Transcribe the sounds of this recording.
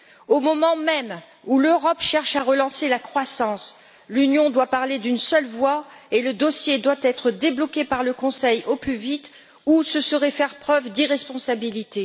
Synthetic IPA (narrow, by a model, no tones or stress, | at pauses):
omɔmɑ̃mɛm | uløʁɔpʃɛʁʃaʁəlɑ̃selakχwasɑ̃s | lynjɔ̃d̪wapaʁled̪ynsœlvwaeləd̪osjed̪wat̪ɛt̪χəd̪eblɔkʲepaʁləkɔ̃sɛjoplyvit̪ | usəsəʁɛfɛʁpχœvd̪iʁɛspɔ̃sabilit̪e